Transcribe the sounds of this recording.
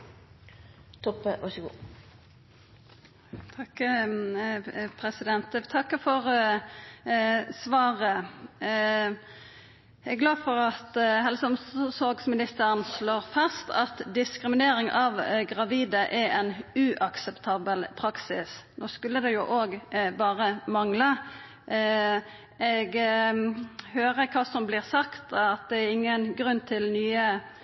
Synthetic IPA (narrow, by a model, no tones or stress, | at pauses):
t̪ʰɔpːəʋɑʂəɡṵː | t̪ʰɑk | pʰɾɛsɪd̪ɛnt̪t̪ʰɑkːəfɔʁ | sʋɑːʁə | ɛɡlɑːd̪fɔʁɑt̪ɦɛlsəɔmssɔɡsmɪnɪst̪əʁənsloːʁfɑst̪ʰɑt̪d̪ɪskɾɪmɪneːɾɪŋɑʋɡʁɑʋiːd̪əʔɛɛnʉʔɑksɛpt̪ʰɑːbəlpʰɾɑksɪsnoːskʉlːəd̪ɛjʊʔoːɡbɑːʁəmɑŋlə | ɛɡ | høːʁəkʰɑːsɔmblɪːʁsɑkt̪ɑt̪̚d̪ɛæɾɪŋːənɡʁʉnːt̪ʰɪlnyːə